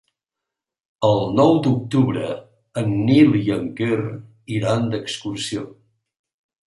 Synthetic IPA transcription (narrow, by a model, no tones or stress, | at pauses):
əlˠnɔwd̪uk̚t̪uβɾə̰ | ənːiliəŋker | iɾand̪əkskursio